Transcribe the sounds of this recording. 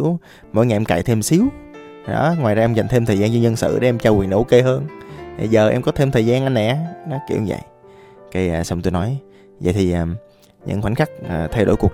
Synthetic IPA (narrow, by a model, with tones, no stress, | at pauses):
w | mo̰˧˥jŋa˨ʔɛ˧mka̰ː˧˩˨jt̪ʰe˧msi˨˦w | ɗɔ̰˨˦ŋwaː˨˩jzaː˧ʔɛ˧mza˨˩jŋ̟t̪ʰe˧mt̪ʰəː˨˩zaː˧nzɔ˧zə˧nsɨ̰˧˨ɗe˨˦ʔɛ˧mt͡ɕaː˧wi˨˩ənʔo̰˧˥˦ke˧ɦəː˧na˨˩zəː˨˩ʔɛ̰˧mŋ͡mkɔ˨˦t̪ʰe˧mt̪ʰəː˨˩jzaː˧nʔa˧n̟nɛ˨˩ʔa˨˦nɔ˨˦kḭ˧˩˨wzə̰˧˨j | keː˧˨˩sa˧wŋ͡mt̪u˧jnɔ˨˦j | zə̰˧˨jt̪ʰi˨˩ʔaː˨˩ | ɲɨ̰˧˥ŋxwa˨˧˦n̟xa˦˥k̚ːt̪ʰɛ˧jɗo̰˧˥jku˨˩ək̚